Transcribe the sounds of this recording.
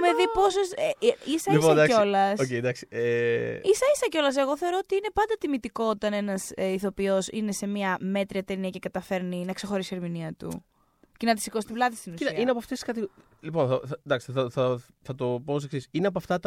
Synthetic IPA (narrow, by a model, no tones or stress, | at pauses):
meðipo̞sosisɐisoɐd̪ɐkso̞lɐsocejd̪ɐksi̥eisɐisɐco̞lɐs̬e̞ɣoθe̞o̞ɾo̞ot̪iine̞pɐnd̪ɐt̪imit̪iko̞ot̪ɐne̞nɐseiθo̞pio̞sine̞se̞miɐme̞t̪ɾiɐt̪eniɐcekɐt̪ɐfe̞ɾninɐkse̞xo̞ɾisieɾminiɐt̪ṵ | cenɐt̪isikosi̥t̪iblɐðist̪inusiɐiɐineɐpoft̪eskɐt̪i | lipo̞nθɐθɐd̪ɐksi̥θɐθɐ | θɐt̪o̞pos̬eksisineɐp̬oɐft̪ɐt̪